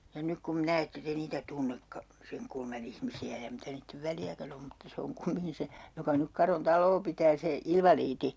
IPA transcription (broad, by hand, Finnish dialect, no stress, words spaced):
jɑ nyk kum minæ etːe te niːtæ tunːekːɑ seŋ kulmɑn ihmisiæ jɑ mitæ niːtːeʋ ʋæljækæn om mutːɑ se oŋ kumiŋki se jokɑ nyk kɑron tɑlˑoː pitæː se ilʋɑliːti